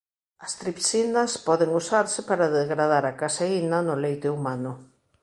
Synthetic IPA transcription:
ɐst̪ɾipsinɐspɔðɪŋusaɾsɪpaɾaðezɣɾaðaɾakaseinɐnʊlejt̪ɪumanʊ

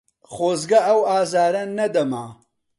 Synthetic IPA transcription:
χoːzɡɐɐwaːzaːɾɐnɐd̪ɐma

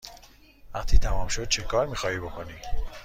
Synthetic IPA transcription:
væqt̪ʰiːt̪ʰæmɒːmʃo̞d̪̥̚t͡ʃʰekʰɒːɾmiːxɒːhiːbo̞kʰo̞niː

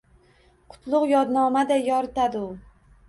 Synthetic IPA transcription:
qʰʊ̥t̪ʰlˠʊqjɒd̪nɒmad̪ajɒɾɪt̪ad̪ɪʊ

